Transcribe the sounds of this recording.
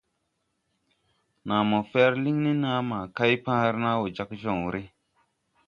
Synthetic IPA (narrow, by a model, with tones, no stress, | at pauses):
nãː˨mɔ˨fɛː˦ɾli˦ŋni˦nãː˦mãː˨ka˦jpã˦ɾna˦wo˨d͡ʒa˦kʒɔ̃˨ŋ˨ɾʔi˦